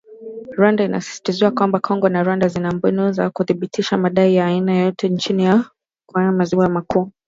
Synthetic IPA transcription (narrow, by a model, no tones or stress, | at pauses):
ɾwandaina̰si̥si̥tiziwakwambakʰɔŋɡɔnaɾwandazinambɛnuzakuθiɓitʰiʃamaɗaijaːinajɔtʰɛnt͡ʃinija | kaamaziwamakuː